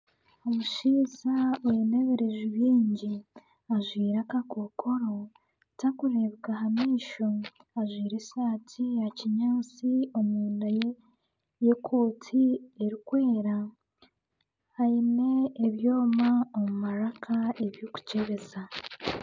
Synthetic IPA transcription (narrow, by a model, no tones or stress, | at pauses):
omuʃiːzaweneβeɾe̞ʒuβiːɲɟi | aʒwiːɾakakokʰo̞ɾo̞ | takuɾe̞βɡaɦamiːʃoaʒwiːɾesaːtʰijaciɲaːt͡siomuːndaj | jekʰo̞ːtʰieɾikwe̞ːɾa | aine̞ːβjo̞ːmaomumaɾakʰaeβjoku̥ceβeza